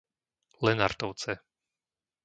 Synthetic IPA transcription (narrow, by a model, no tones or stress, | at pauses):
lɛna̰ɾt̪ɔʊt͡sɛ